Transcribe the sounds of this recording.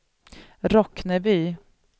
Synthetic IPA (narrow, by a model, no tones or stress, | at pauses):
ɾɔknəbyː